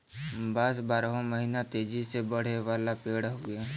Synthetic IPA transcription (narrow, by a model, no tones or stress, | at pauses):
baːsbaːɾɦõməɦiːnat̪eːd͡ʒisebəɽ̤eʋaːlapeːɽɦoeː